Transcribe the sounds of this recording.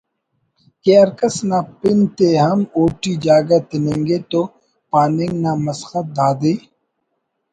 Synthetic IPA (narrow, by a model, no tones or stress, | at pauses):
keːɐɾkəsnapɪnt̪eɦɐmoːʈid͡ʒaːɡat̪ɪnẽːŋɡet̪oː | paːnẽŋɡnamɐsxət̪̚d̪aːd̪eː